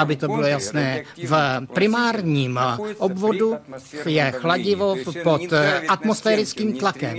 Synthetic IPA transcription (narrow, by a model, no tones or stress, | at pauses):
abɪt̪obɪlojasnɛːvpɾɪmaːɾɲiːmʔobvo̞dujɛxlaɟɪvopot̪ʔat̪mosfɛːɾɪt͡skiːmt̪lakɛm